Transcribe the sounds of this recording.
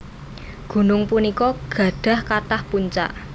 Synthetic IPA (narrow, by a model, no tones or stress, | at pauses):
ɡ̥ṳnʊŋpunikɔɡ̥ä̤ɖ̪̥a̤hkat̪ahpuɲt͡ʃa̰ʔ